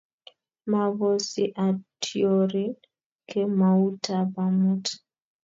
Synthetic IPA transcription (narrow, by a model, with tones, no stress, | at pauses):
ma˨βo˨si˨ʔa˨tʰjo˨ɾi˦ | ke˦ma˨u˦ta˨ba˨mu˦t